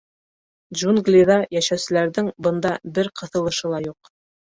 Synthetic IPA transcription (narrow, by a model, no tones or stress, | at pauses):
ʒunɡlʲiðɑjæʃæwsɘ̆læɾðɘŋbɤ̆nd̪ɑbɘɾqɤ̆θɤ̆lˠɤ̆ʃɤ̆lˠɑjuq